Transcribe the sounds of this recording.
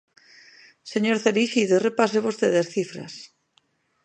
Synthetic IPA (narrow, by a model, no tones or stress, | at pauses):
seɲoɾθeliʃiðerepaseβost̪eðasθifɾɐ̰s